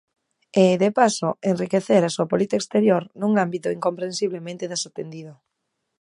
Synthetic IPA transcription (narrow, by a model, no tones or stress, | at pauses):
eðepasoenrikeθeɾasuapolit̪aekst̪eɾjoɾnũŋambit̪ʊiŋkompɾensiβlemẽnt̪eðasot̪end̪iðo